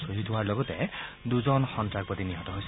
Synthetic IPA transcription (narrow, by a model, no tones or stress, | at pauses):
soɦit̪ɦuaɹlɔɡɔt̪ɛd̪uzɔnxɔntɹak̚pɔt̪iniɦɔtɔɦojs